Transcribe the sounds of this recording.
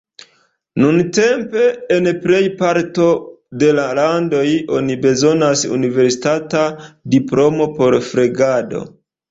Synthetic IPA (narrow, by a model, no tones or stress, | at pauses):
nunte̞mpe̞ːnple̞jpaɾto̞de̞lalando̞jo̞nibe̞zo̞nasṵnive̞ɾsi̥tatadiplo̞mo̞po̞ɾfɾeɡado̞̰